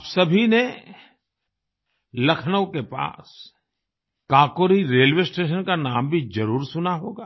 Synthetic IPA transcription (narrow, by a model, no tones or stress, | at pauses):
apsɐbʱine | lɐkʰnəkepa̰ːs | kaːkoːɾiɾeːlwesʈeːʃ̬ənkanaːmbʱid͡ʒɐɾuːɾsʊnaɦoːɡaː